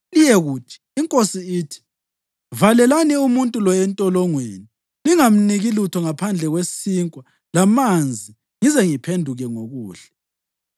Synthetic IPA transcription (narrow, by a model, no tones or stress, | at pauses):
lijɛɣuːt͡ʃʼi̥ːŋkʼosiiːtʰi̥ | valɛlaniumuntʼulɔɛntʼɔlɔŋweni | liŋam̩niɣilutʰɔŋapʰand͡ɮʱɛɣwesiːŋkʼwa | lamand͡zʱi | ŋizɛŋipʰendʱuɣɛŋoɣuːɬɛ